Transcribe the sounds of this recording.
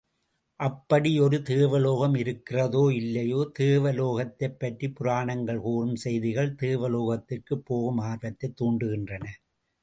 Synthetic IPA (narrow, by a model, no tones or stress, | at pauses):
ʔɐpːɐɽiɔɾɯt̪eːʋɐloːɣɐmɪɾɯkːɪrɐðoːɪlːɐjoːt̪eːʋɐloːɣɐt̪ːɐɪpːɐʈripʊɾaːɳɐŋɡɐɭkuːrɯmsɛjðɪɣɐɭt̪eːʋɐloːɣɐt̪ːɪrkɯpːoːɣɯmaːɾʋɐt̪ːɐɪt̪ːuːɳɖɯɣɪndrɐnɐ